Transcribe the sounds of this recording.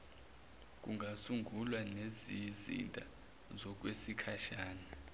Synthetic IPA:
k̬ʼuŋɡʱasuŋɡulwanezizḭntʼa̰ | zɔk̬wesikʰaʃaːna

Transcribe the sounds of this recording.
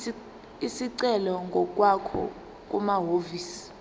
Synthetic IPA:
isiǀɛlɔŋɡʱɔk̬ʼwakʰɔ̰ | k̬ʼumaɦoviːsi̥

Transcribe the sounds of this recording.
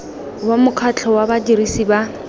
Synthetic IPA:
wamʊkʰat͡ɬʰɔwabadirisiba

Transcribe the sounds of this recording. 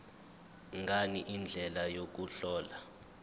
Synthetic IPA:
ŋɡʱaɲɛʔind͡ɮʱɛlajok̬uɬɔːla

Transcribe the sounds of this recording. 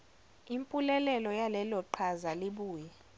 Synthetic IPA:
impʼulɛlɛlɔjalɛlɔǃʰazaliɓuːjɛ

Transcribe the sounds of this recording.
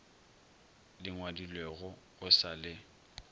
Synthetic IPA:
lɪŋwadilweɣʊ | ʊsalɪ

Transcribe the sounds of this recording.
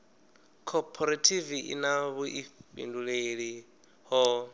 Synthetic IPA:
kʰɔpʰɔɾatʰiviʔḭnaβuʔiɸḭnduɺeɺi | ɦɔ

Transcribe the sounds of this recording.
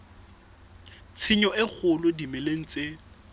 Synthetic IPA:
t͡sʰɪɲɔɪk͡xʰʊlʊdimɪleŋ̩t͡sʼe

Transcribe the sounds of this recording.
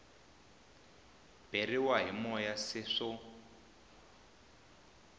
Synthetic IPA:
b̥eriwaɦimɔjasɪʂʊ

